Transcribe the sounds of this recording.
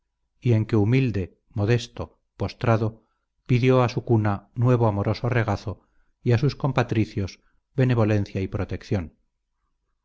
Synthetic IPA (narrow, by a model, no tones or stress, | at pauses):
ie̞ŋke̞umild̪e̞ | mo̞ðe̞st̪o | post̪ɾaðo | piðjo̞asukunanwe̞β̞oamo̞ɾo̞so̞re̞ɣ̞aθo̞ | iasusko̞mpat̪ɾiθjo̞z | βe̞ne̞β̞o̞lẽ̞n̟θjaipɾo̞t̪e̞kθjo̞n